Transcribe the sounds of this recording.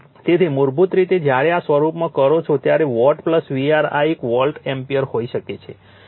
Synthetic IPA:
t̪et̪ʰimuɾbut̪ɾit̪ed͡ʒjaɽeasʋəɾupmãkəɾot͡ʃʰot̪jaɾeʋɔɾʈpləsʋiaɾa̰ekʋɔlʈɛmpijəɾhoiʃəket͡ʃʰe

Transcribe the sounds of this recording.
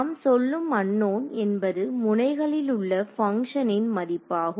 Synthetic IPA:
msɔlːɯmɐɳːoːnɛnbɐðɯmʊnɐɪɣɐɭɪlʊɭːɐfɐŋkʂɐnɪnmɐðɪpːaːɣɯ

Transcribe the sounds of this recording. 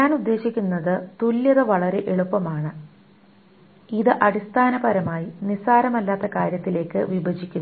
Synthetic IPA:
ɲaːnud̪ːe̞ːɕikʲːunːɐðɨt̪uljɐðɨʋɐɭɐɾe̞ʔeɭupːɐmaːɳɨ | iðɨʔɐɽist̪ʰaːnɐbɐɾɐmaːjinisaːɾɐmɐlːaːt̪ːɐkaːɾjɐt̪ːile̞ːkːɨʋibɐd͡ʑikʲːunː

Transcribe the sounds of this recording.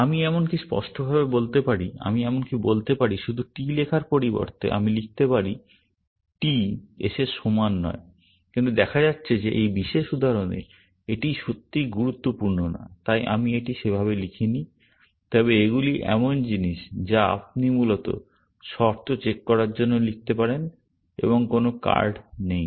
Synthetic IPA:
amiɛmonkispɔ̰ʃʈobʱabebolt̪epaɽia̰miɛmonkibolt̪epaɾiʃud̪ʱuʈilekʰaɾpoɾibo̰ɾt̪ḛʔa̰milik̚ʰt̪epaɾi | ʈiḛʃeʃomanːɔ̰e | kint̪ud̪ɛkʰad͡ʑatːɕʰed͡ʑeʔejbiʃeʃud̪ʱaɾonḛ | eʈiʃot̪ːiɡuɾut̪ːopuɾnona̰t̪ajʔa̰mieʈiʃebʱaβelikʰini | t̪ɔbeeɡuliʔɛ̰mond͡ʑiniʃd͡ʑaa̰p̚nimulot̪o̰ | ʃɔɾt̪ʰot͡ɕekːɔɾaɾd͡ʑonːolik̚t̪epaɾen | ḛβoŋkonoka̰ɾɖnej

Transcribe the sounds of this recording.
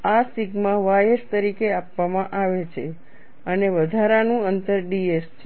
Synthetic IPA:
asiɡmãʋajest̪əɾikeapʋamãʔaʋet͡ʃʰe | əneʋəd̪ʱaɾanũənt̪əɾɖiest͡ʃʰe

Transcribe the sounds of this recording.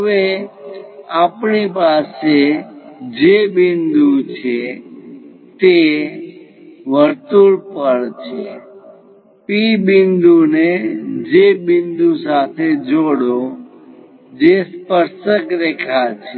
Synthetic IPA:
ɦəʋe | apɳipase | d͡ʒebɪnd̪ũt͡ʃʰe | t̪e | ʋəɾt̪uɭpəɭt͡ʃʰe | pibɪnd̪uned͡ʒebɪnd̪ũsat̪ʰed͡ʒoɽo | d͡ʒespəɾʃəkɾekʰat͡ʃʰe

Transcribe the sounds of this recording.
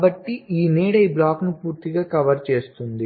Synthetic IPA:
bɐʈːiʔiːneːɽɐjblaːknupuːɾt̪iɡaːkɐʋɐɾt͡ʃe̞ːst̪und̪i

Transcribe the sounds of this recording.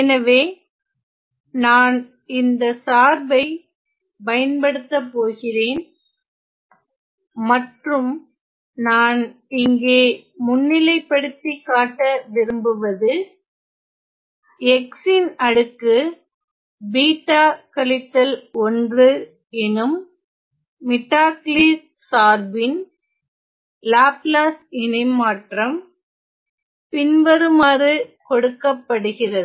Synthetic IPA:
ɛnɐʋeː | naːn | ɪnd̪ɐsaːɾbɐɪ | pɐjɐnpɐɽɯt̪ːɐpːoːɣɪreːn | mɐʈrɯm | naːn | ɪŋɡeːmʊnːɪlɐɪpːɐɽɯt̪ːikːaːʈːɐʋɪɾɯmbɯʋɐðɯ | ɛksɪnɐɽɯkːɯ | biːʈːaːkɐlɪt̪ːɐlɔndrɯ | ɛnɯmː | ɪʈːaːkliːs | saːɾbɪn | laːplaːsɛnɐɪmːaːʈrɐm | pɪnʋɐɾɯmaːɾɯkɔɽɯkːɐpːɐɽɯɣɪrɐðɯ

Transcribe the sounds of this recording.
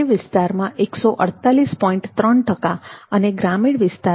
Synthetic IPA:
iʋɪst̪aɾmãʔeksoʔə̰ɽt̪alispɔĩɳʈt̪ɾəɳʈəkaəneɡɾamiɽʋɪst̪a

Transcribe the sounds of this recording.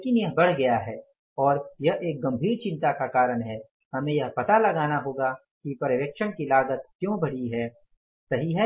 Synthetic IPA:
leːkɪnjɐɦbɐɽ̤ɡɐjaɦɛː | ɔːɾjɐɦʔeːk̚ɡɐ̃mbʱiːɾt͡ʃɪ̃nt̪akakaːɾəɳɦɛː | hɐmẽjɐɦpɐt̪alɐɡaːnaɦoːɡa | kipɐɾəʋjəkʃənkilaːɡət̪̚kjõːbɐɽ̤iɦɛː | sɐɦiɦɛ

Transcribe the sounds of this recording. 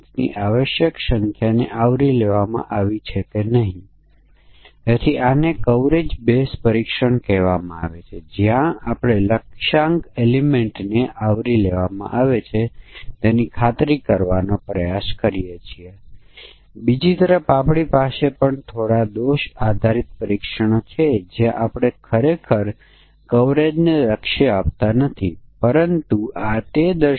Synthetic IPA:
t̪nḭʔaʋəʃjəksəŋkʰjaneʔaʋɾileʋamã̰ʔaʋit͡ʃʰekenəɦĩ | at̪ʰianekəʋɾed͡ʒbespəɾikʃəɳkɛʋamã̰aʋet͡ʃʰed͡ʒjãapɽ̃eləkʃãŋkelimeɳʈneʔaʋɾileʋamã̰ʔaʋet͡ʃʰet̪enikʰat̪ɾikəɾʋanopɾəjaskəɾijet͡ʃʰie | bid͡ʒit̪əɾəfapɽipasepəɳt̪ʰoɽad̪oʃad̪ʱaɾit̪̚pəɾikʃəɳ̃ot͡ʃʰed͡ʒjãʔapɽ̃ekʰəɾekʰəɾ | kəʋɾed͡ʒneləkʃəapt̪anət̪ʰipəɾənt̪uat̪ed̪ə

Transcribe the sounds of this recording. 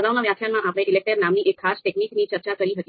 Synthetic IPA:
əɡaʋnaʋjak̪ʰjanmãʔapɽ̃eʔɪlek̚ʈəɾnamniʔekʰːasʈekniknit͡ʃəɾt͡ʃakəɾiɦət̪i

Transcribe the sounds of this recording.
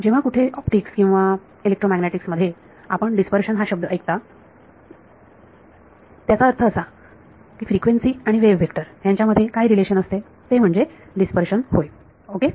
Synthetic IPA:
d͡ʑeʋ̤akuʈʰeʔɔpʈikskĩw̃ʋa | ilek̚ʈɾomæɡneʈiksməd̪ʱːje | a̰pəɳɖispəɾɕənɦaɕəb̚d̪ʱəəjk̚t̪a | t̪jat͡saəɾt̪ʰəːsa | kiːfɾikʋensiːaɽ̃iʋeʋːʱekʈəɾjaɲt͡ɕjaməd̪ʱːjekaɦiːɾileɕənəst̪e | t̪em̤əɳd͡ze | ɖispəɾɕənhoj | oke

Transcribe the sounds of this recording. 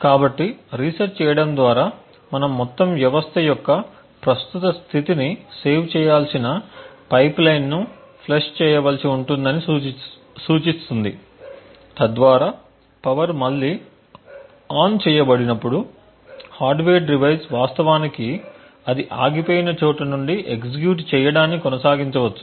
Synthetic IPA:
kaːbɐʈːiɾisɐɾt͡ʃt͡ʃɛːjɐɽɐnd̪ʋaːɾaː | mɐnɐmːɔt̪ːɐmʋjɐʋɐst̪ʰɐjɔkːɐ | pɾɐst̪ut̪ɐst̪ʰit̪inise̞ːʋt͡ʃɛːjaːlsinɐpɐjplɐjnnu | pʰleʂt͡ʃɛːjɐʋɐlɐsiuɳʈund̪ɐni | suːt͡ʃist̪und̪ḭ | t̪ɐd̪ʋaːɾaː | pɐʋɐɾmɐlːi | aːnt͡ʃɛːjɐbɐɽinɐpːuɽu | haːɾɖʋeːɖɾiʋɐjsʋaːst̪ɐʋaːniki | ɐd̪iʔa̰ːɡipoːjinɐt͡ʃoːʈɐnuɳɖiʔeksik̬juːʈ̬t͡ʃɛːjɐɽaːnːikɔnɐsaːɡiɲt͡ʃɐʋɐt͡ʃːu̥

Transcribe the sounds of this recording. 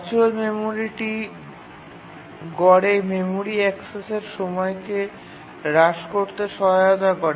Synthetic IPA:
t͡ɕuelmemoɾiʈi | ɡɔɽememoɾiɛkseseɾʃɔmɔeke | ɾaʃkoɾt̪eʃɔɦaod̪akɔɾe

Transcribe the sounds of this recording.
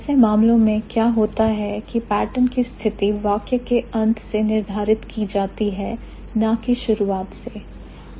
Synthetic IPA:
semaːmlõmẽkjaːɦoːt̪aɦɛkipɛːʈənkist̪ʰɪt̪iʋaːkjəkeɐ̃nt̪ʰsenɪɾd̪ʱaːɾɪt̪kid͡ʒaːt̪iɦɛ | nakiʃʊɾuaːt̪seː

